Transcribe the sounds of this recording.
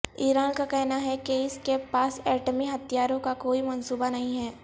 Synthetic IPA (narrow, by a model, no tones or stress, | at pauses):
iːɾaːnkakɛɦnaɦɛkeɪskepaːsɛːʈəmiɦɐt̪ijaːɾõkakoːimɐnsuːbanɐɦĩɦɛː